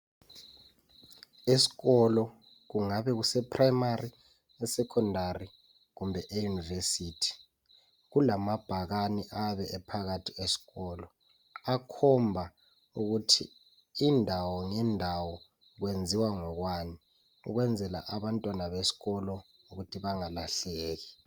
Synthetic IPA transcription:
esi̥ɣɔlɔ | ɣuŋaβɛɣusɛpʰʼrajmari | ɛsɛkʰɔndari | ɣumbʱɛʔejunivesiːtʰi̥ | ɣulamab̥ʱaɣaniʔaβɛʔɛpʰaɣatʰiesi̥ɣɔːlɔ | akʰɔmbʱa | uɣutʰḭː | ndʱawɔŋɛndʱawɔ | ɣwend͡zʱiwaŋɔɣwaːni | ṵɣwɛnd͡zʱɛla̰ʔaβantʼwanaβesi̥ɣɔlɔ | uɣutʰiβaŋalaɬɛːɣi

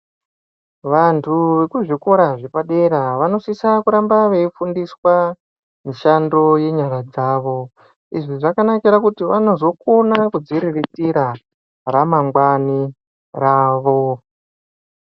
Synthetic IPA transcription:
ʋantʰuʋe̞kuʐiko̞ɾaʐepaɗe̞ɾaʋano̞sisakuɾambaʋe̞ifundiswa | miʃando̞je̞ɲaɾad͡zaːʋo̞ | iʐiʐakanakiɾakutiʋano̞zo̞konakud͡ziɾiritiɾa | ramaŋɡwani | raːʋo̞

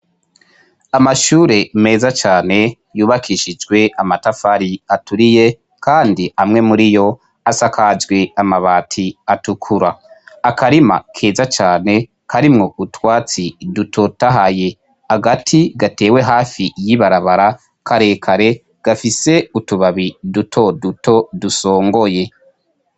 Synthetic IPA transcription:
amaʃuːɾe̞me̞ːzat͡ʃaːne̞ | juːβakʰiʃid͡ʒɡwe̞amatafaɾiatuɾije̞ | kʰaːndiamŋe̞muɾijo̞ | asakad͡ʒɡweamaβaːtʰiatukʰuɾaːkaɾima̰kʰe̞ːzat͡ʃaːne̞ | kʰaɾimŋo̞ʔutwaːt͡sidutʰo̞taɦaje̞ | haɡatʰiɡate̞ːwe̞ɦaːfijiβaɾaβaɾa | kʰaɾe̞ːkʰaɾe̞ | ɡ̥afise̞utuβaβidutʰo̞dutʰo̞duso̞ːŋɡo̞je̞

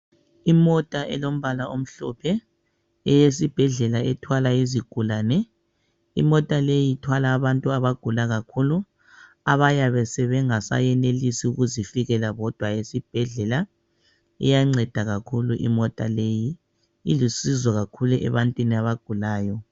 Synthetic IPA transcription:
imɔtʼaʔɛ̰lom̩βalaʔom̩ɬɔ̰pʰɛ | ɛjesib̥ʱɛɮɛlaɛtʰwalaiziɡ̥ʱulaːnɛ | ḭmɔtʼalejitʰwalaːβantʼuaβaɡ̥ʱulaɣakʰulu | aβajaβɛsɛβɛŋasa̰jɛnelisiuɣuzifiɣɛlaβɔd̥ʱwajesib̥ʱɛɮɛla | ɛ̰jaŋ͡ǀɛd̥ʱaɣakʰuluʔḭmɔtʼa̰leji | ilisizɔɣakʰuluʔɛ̰βantʼwiniaβaɡ̥ʱulaːjɔ

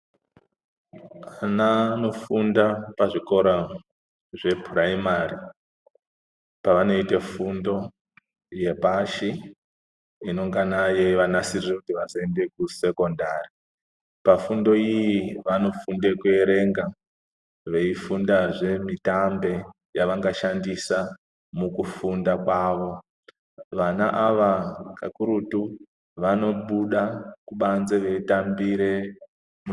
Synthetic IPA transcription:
anano̞fundapaʐiko̞ɾa | ʐe̞puraimari | paʋano̞itefundo̞ | je̞paʃi | ino̞ŋɡanajeʋanasirirekutiʋazoende̞kuse̞ko̞ndari | pafundo̞ijiʋano̞funde̞kue̞ɾe̞ŋɡa | ʋe̞ifundaʐe̞mitambe̞ | jaʋaŋɡaʃandisa | mukufundakwaːʋo̞ | ʋanaʔaʋaka̰kuɾutu | ʋano̞ɓuɗakuɓanze̞ʋe̞itambiɾe̞ | m

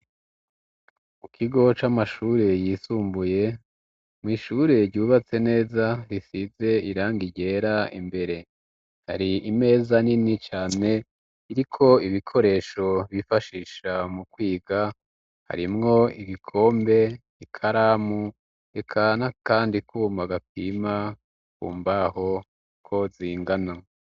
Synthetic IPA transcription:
mukʰiɡo̞t͡ʃamaʃuːɾe̞jiːsuːmbuje̞ | mŋiːʃuɾe̞ɾɟuːβat͡se̞ne̞ːzaɾisize̞iɾaːŋɡiɟe̞ɾaḭmbe̞ɾe̞ | ha̰ɾiime̞ːzaninit͡ʃaːne̞ | iɾikʰo̞iβikʰo̞ɾe̞ːʃo̞βifaʃiːʃamukwiːɡa | ha̰ɾimŋo̞iɡikʰo̞ːmbe̞ | ikʰaɾaːmu | ɾe̞kʰanakaːndikʰuːmaɡap̚iːma | kṵːmbaho̞ | kʰo̞ziːŋɡana

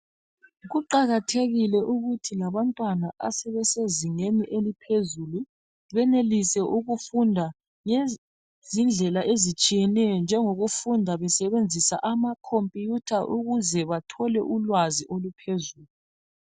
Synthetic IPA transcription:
ɣuǃaɣatʰeɣilɛʔuɣutʰilaβantʼwanaʔa̰sɛβɛseziŋeniʔelipʰezulu | βɛnelisɛʔuɣufundʱa | ŋe | zind͡ɮʱɛlaʔezit͡ʃʼijɛnɛjɔnd͡ʒʱɛŋoɣufundʱaβɛsɛβend͡zʱisa̰ʔamakʰompʼijutʰaʔuɣuzɛβatʰɔlɛʔulwaziʔolupʰezuːlu

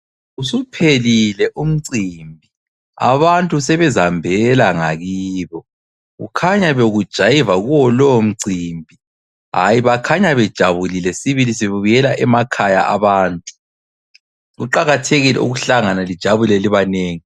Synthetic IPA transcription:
usupʰelilɛʔum̩ǀiːmbʱi | a̰βantʼusɛβɛzambʱɛlaŋaɣiːβɔ | ɣṵkʰaɲaβeɣud̥ʒ̥ʱajivaɣuwɔlɔm̩ǀiːmbʱi | ɦa̰jiβakʰaɲaβɛd̥ʒ̥ʱaβulilɛsiβilisiβuβujɛlaʔɛmakʰaja̰ʔaβaːntʼu̥ | ɣṵǃaɣatʰeɣilɛ̰uɣuɬaŋanalid̥ʒ̥ʱaβulɛliβaneːŋi

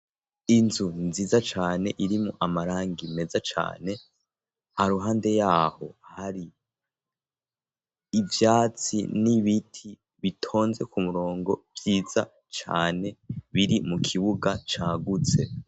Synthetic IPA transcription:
inzunziːzat͡ʃaːne̞ʔiɾimuʔamaɾaːŋɡime̞zat͡ʃa̰ːne̞ | haɾuɦaːnde̞jaːho̞haɾi | vjaːt͡sḭniβitʰi | βitʰo̞ːnze̞kumuɾo̞ːŋɡo̞b̥jiːza̰ | t͡ʃa̰ːne̞βiɾimukʰiβuɡat͡ʃaːɡut͡se̞

